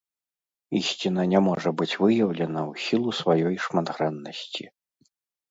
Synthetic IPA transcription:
isʲt͡sʲinɐnʲamɔʐɐbɨt͡sʲvɨjɐwlʲɛnɐwsʲilˠusvajɔjʂmɐd̪ɣɾɛnːɐsʲt͡sʲi

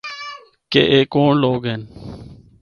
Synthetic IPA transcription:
kḛʔeːkoːɳloːɡɦen

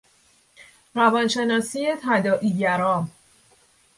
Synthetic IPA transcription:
ɾævɒːnʃe̞nɒːsije̞t̪ʰæd̪ɒːʔiːɟæɾɒːm

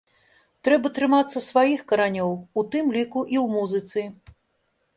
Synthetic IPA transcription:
t̪ɾɛbɐt̪ɾɨmat̪sːɐsvajixkɐɾanʲɔwut̪ɨmlʲikuʔiwmuzɨt̪sɨ

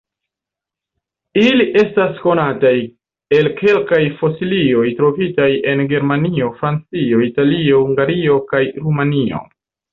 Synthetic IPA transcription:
iliʔe̞stasko̞nataj | e̞lkʰe̞lkajfo̞silio̞jtɾo̞vitaje̞nɡe̞ɾmanio̞fɾant͡sio̞italio̞huŋɡaɾio̞kajɾumanio̞̰

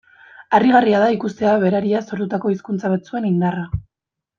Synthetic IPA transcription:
ariɣariaðaikust̪e̞aβe̞ɾaɾiaso̞ɾt̪ut̪ako̞iskunt͡saβat͡sue̞nind̪ara

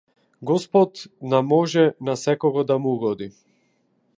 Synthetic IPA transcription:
ɡɔspɔt̪namɔʒɛnasɛkɔɡɔd̪amuuɡɔd̪i

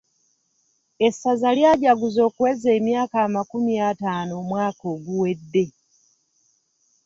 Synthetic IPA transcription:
e̞sːazaljaːɟaɡuzo̞ːkuwe̞ze̞ːmjaːkaːmakumjataːno̞ːmwaːko̞ːɡuwe̞dːe̞

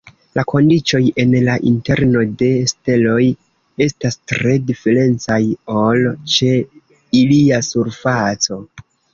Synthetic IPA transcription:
lako̞ndit͡ʃo̞je̞nlaʔḭnte̞ɾno̞de̞ste̞lo̞j | e̞stastɾe̞dife̞ɾe̞nt͡sajolt͡ʃe̞ | iliasuɾfat͡so̞

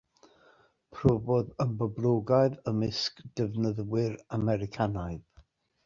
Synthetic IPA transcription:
pʰrovoðəmbəblˠoɡaɨðəmɪskd̥əvnəðwɪɾamɛɾɪkʰanaɨð

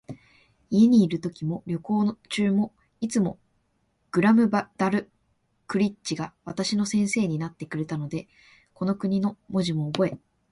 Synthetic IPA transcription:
ie̞ɲ̟iːɾɯ̟t̪o̞kʲimo̞ɾʲo̞ko̞ːt͡ɕɨːmo̞ | it͡sɨmo̞ | ɡ̥ɯ̟ɾamɯ̟bd̪aɾɯ̟ | kɯ̟ɾʲitt͡ɕiɡaβ̞at̪aɕino̞sẽ̞ɰ̃se̞ːɲ̟inat̪ːe̞kɯ̟ɾe̞t̪ano̞d̪e̞ | ko̞no̞kɯ̟ɲ̟ino̞mo̞ʑimo̞ːbo̞e̞

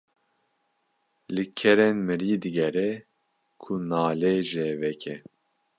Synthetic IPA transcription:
lɨkʰɛɾenmɨɾiːd̪ɨɡɛɾɛ | kʰunaːleːʒɛvɛkʰɛ

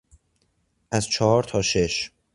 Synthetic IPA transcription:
ʔæzt͡ʃʰɒːhɒːɾt̪ʰɒːʃe̞ʃ

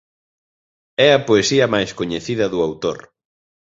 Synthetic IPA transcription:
ɛɐpoesiɐmajskoɲeθiðɐðuawt̪o̰ɾ

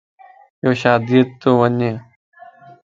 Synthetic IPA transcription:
joːʃaːd̪iːət̪ːoːʋəneː

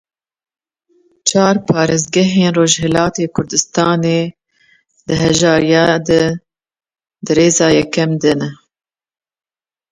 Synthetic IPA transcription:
t͡ʃʰɑːɾpʰɑːɾeːzɡɛɦeːnroːʒhɛlɑːt̪eːkʰʊɾd̪ɨst̪ɑːneː | d̪ɨɦɛʒɑːɾijɑːd̪ɛ | d̪ɨɾeːzɑːjɛkːɛmd̪ɨnɛ

